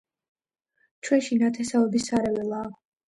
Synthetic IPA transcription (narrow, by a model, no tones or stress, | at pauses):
t͡ʃʰwɛnʃinat̪ʰɛsaɔbisaɾɛvɛlˠaː